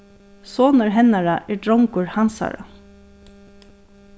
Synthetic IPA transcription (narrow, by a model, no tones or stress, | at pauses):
soːnəɹɦɛnaɹaʔɛɖɹɔŋkʊɹhansa̰ɹa̰